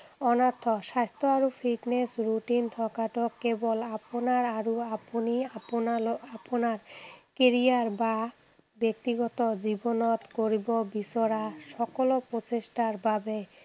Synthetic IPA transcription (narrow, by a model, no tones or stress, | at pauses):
ɔnaɾt̪ʰːoʃast̪ʰoaɾufʰiʈnesɾuʈint̪ʰɔkaʈokːebolaponaɾaɾuaponiaoaponaɾkeɾiaɾba | bek̚t̪iɡɔt̪od͡ʑibonot̪koɾibobisoɾaʃɔkolopɾot͡ɕeʃʈaɾbʱabe